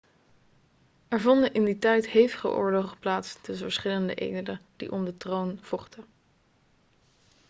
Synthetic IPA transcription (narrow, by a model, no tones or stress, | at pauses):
ʔɛɹvɔndənʔɪnditɛjtɦejvəχə̰ʔʊ̰ːɹloχəplaːtsdəsəɹsχɪləndəʔḛjdələd̥ḭʔɔmdətrownv̥ɔχtə